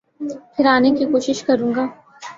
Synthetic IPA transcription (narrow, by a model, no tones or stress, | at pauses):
pʰɪɾaːnekikoːʃɪʃkɐɾũːŋɡaː